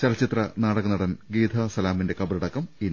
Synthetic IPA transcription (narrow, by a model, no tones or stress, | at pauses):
t͡ɕɐlɐt͡ɕːit̪rɐnaːɽɐɣɐnːɐɽɐnɡiːd̪ʱɐsɐlaːminde̞kɐbɐɾɐɽɐkːɐmiːn